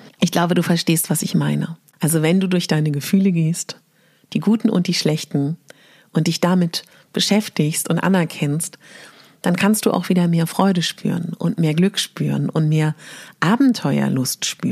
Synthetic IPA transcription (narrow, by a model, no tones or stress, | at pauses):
ʔɪçɡ̥laʊbəduːfɛɐʃteːstv̥asɪçmaɪnə̰ | ʔalzovɛnduːdʊɐçd̥aɪnəɡəfyːləɡeːst | d̥iːɡuːtn̩ʔʊ̰nt̚d̥iːʃlɛçtn̩ | ʔʊntd̥ɪçd̥amɪt | b̥əʃɛftɪçstʊntʔa̰nɛɐkʰɛnst | d̥ankʰanst̚d̥ṵːʔa̰ʊxv̥iːdɐmeːɐfʁ̥ɔʏɾəʃpʰy̰ːʁənʊ̰ntmeːɐɡlʏkʃpy̰ːʁənʊntmeːɐʔaːbm̩tʰɔʏɐ̰lʊstʃpy̰ːn